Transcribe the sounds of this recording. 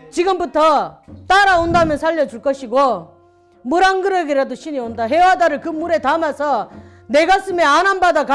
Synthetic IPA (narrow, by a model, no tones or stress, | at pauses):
t͡ɕiɡɯmbutʰʌt͈aɾaondamjʌnsʰaʎːʌd͡ʑuɭk͈ʌɕʰiɡo | muɾaŋɡɯɾʌɡiɾadoɕʰiɲiondaɦewadaɾɯɭkɯmuɾe̞tamasʰʌ | ne̞ɡas͈ɯme̞ananbadaka